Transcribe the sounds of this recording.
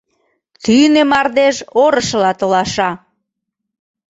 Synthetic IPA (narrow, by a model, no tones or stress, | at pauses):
t̪ynemɑrd̪eʒoɾəʃlɑt̪olɑʃɑ